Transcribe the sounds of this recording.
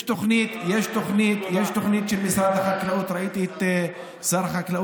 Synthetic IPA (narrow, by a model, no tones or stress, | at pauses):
ʃt̪ʊxniːt̪jeːʃt̪ʊxniːt̪jeːʃt̪ʊxniːt̪ʃɪlmɪsɾˤɑːd̪axaklaʔuːt̪ɾˤɑʔit̪it̪ː | sɑːɾˤxaklaʔ